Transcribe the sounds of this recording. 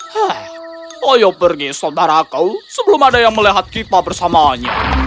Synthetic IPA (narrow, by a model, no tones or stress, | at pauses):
hɛ | ajabərɡisawd̪aɾakəwsəbəlʊmadajaŋməliɦat̪̚kit̪abərsamaɲa̰